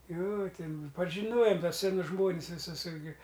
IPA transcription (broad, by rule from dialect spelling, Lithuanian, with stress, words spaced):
joː ˈtʲɪn pɐʒʲɪˈnoːjoːm ˈtuɔs sʲɛˈnʊs ˈʒmoːnʲɪs ʋʲɪˈsʊs ˈɪrʲɡʲɪ